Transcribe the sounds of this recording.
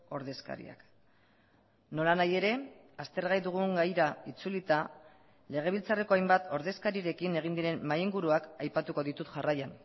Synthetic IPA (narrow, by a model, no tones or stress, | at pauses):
o̞ɾðe̞ska̰ɾḭa̰k | no̞lanaje̞ɾe̞ | ast̪e̞ɾɣajðuɣ̞uŋɡajɾait͡sulit̪a | le̞ɣ̞e̞β̞ilt͡sare̞ko̞ajmbat̪o̞ɾðe̞skaɾiɾe̞kine̞ɣ̞ind̪iɾe̞nmajiŋɡuɾuakajpat̪uko̞ðit̪ut̪ʝarajan